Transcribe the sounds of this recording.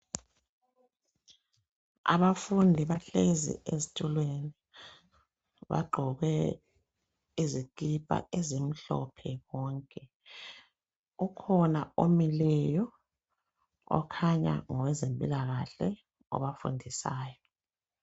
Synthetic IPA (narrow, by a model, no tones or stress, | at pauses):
a̰βafundʱiβaɬezḭʔezitʼʰulweni | βa̰ɡ͡ǃʱɔɣɛ | izikʼipʼa̰ezim̩ɬɔ̰pʰɛwɔːŋkʼɛ | ukʰɔnaomilɛjɔ | ɔ̰kʰaɲa̰ŋɔwɛzempʼilaɣaɬɛ | ɔ̰βafṵndʱisaːjɔ